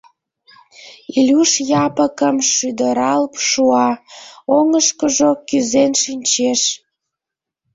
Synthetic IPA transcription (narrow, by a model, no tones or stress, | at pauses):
ilʲuʃjɑpəkəmʃyd̪əɾɑlpʃuɑoŋəʃkəʒokyzenʃinʲt͡ɕeʃ